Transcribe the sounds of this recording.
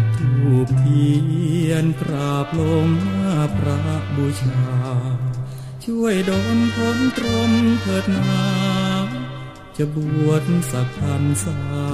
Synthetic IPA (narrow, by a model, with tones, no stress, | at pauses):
t̪ʰuː˧˩p̚t̪ʰiː˧˩ʔi˧˩˧ənpʰɾaː˨˩p̚lo˧ŋmaː˧˥˩pʰɾa˧˦˥ʔbuː˧˩t͡ɕʰaː˧ | t͡ɕʰu˥˩əjdoː˧˦npʰo˧˥nt̪ɾo˧˥mkʰɤː˨˩t̪̚naː˧ | t͡ɕa˧˩bu˨˩˨ət̪̚sa˧˩p̚t̪ʰa˧msa˧